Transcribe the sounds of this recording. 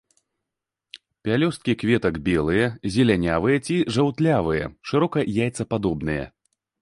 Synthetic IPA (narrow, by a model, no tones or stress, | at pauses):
pʲalʲɔst̪̚kʲikvʲɛt̪ɐɡbʲɛlˠɨjɛzʲɛlʲanʲavɨjɛt͡sʲiʐawt̪lʲavɨjɛ̰ʂɨɾɔkɐjajt̪sɐpad̪ɔbnɨjɛ̰